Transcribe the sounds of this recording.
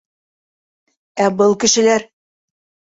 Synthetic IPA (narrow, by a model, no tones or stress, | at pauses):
æbɤlˠkɘ̆ʃɘ̆læɾ